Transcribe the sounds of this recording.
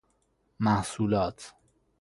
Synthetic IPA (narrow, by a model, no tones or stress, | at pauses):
mæhsuːlɒːt̪ʰ